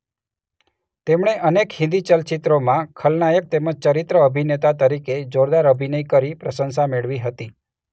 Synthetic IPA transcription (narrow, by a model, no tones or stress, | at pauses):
t̪emɳeʔənekhɪ̃nd̪it͡ʃəlt͡ʃɪt̪ɾomãkʰəlnajək̚t̪eməd͡ʒt͡ʃəɾit̪ɾəəbʱinet̪at̪əɾiked͡ʒoɾd̪aɾəbʱinəjkəɾipɾəsənsameɭʋiɦət̪i